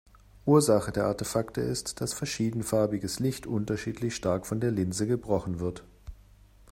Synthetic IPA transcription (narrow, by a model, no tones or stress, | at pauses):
ʔuːɐzaχədeːɐʔaɐtefaktə̰ɪstd̥asfɛɐʃiːdn̩faɐbɪɡəslɪçtʰʔʊntɐʃiːtʰlɪçʃtaɐkfɔndeːɐlɪnzəɡəbʁɔχn̩vɪɐt